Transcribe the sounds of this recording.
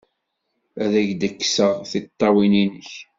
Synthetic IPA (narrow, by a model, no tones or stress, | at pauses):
æðæʝd̪əkːsəʁθit̪ˤːɑwininəç